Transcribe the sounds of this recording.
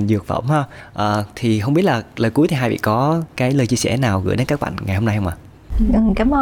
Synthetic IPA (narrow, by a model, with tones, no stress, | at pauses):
zɨ˨˩k̚fə̰˧˩wmhəː˧ʔəː˨˩t̪ʰi˨˩ɦə˧wŋ͡mɓi˦˥t̚laː˨˩ləː˨˩ku˨˦t̪ʰi˨˩ɦaː˧jvḭ˧˨kɔ˨˦kaː˨˦jləː˧jt͡ɕi˧əsɛ̰˧˩naː˨˩wɣɨ̰˧˥jɗe˨˦nkaː˦˥k̚ɓa̰˧˨ŋŋa˨˩jɦə˧ŋ͡mna˧jhə˧ŋ͡mʔaː˨˩˨ | kaː˨˦m˧